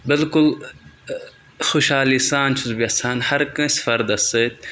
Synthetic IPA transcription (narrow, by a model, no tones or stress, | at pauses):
bɪlkʊl | xoʃaːliːsaːnt͡ʃʰuzbiɐsaːnhɐɾkɐ̃sfɐɾd̪ɐsət̪̚